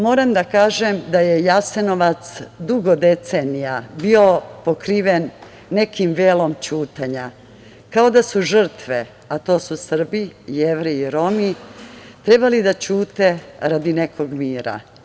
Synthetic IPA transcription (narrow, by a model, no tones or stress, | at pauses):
mo̞ːɾamd̪akaːʒemd̪ajejase̞no̞ʋat̪sd̪uɡod̪e̞t̪senijabio̞po̞kɾiːʋenː | e̞kimʋeːlo̞mt͡ɕuːt̪aɲa | kaod̪asuʒr̩t̪ʋe | at̪o̞ːsusr̩bijeʋɾiːɾo̞mit̪ɾe̞balid̪at͡ɕuːt̪e̞ɾad̪ine̞kʰo̞ɡmiːɾa̰